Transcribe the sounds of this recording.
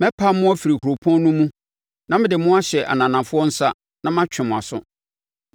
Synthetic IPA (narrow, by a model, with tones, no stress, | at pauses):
mɛ̃˦pʰa˦mʊ̃˦ɔ˦fi˨ɾi˨ku˨ɾo˨pʰɔ̃˦n˦nũ˦mũ˦ | nã˦mɪ̃˦dɪ˨mʊ̃˦a˦ɕɛ˨ʔa̰˨nã˨nã˨fʊ˦ɔ˦n̩˦sa˦ | nã˦mã˦t͡ɕᶣɪ̃˨mʊ̃˨a̰˨sʊ̰˦